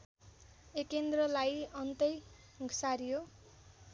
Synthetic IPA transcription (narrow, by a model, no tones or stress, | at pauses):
ekend̪rʌlajʌnt̪ʌj | ɡʱsaɾijo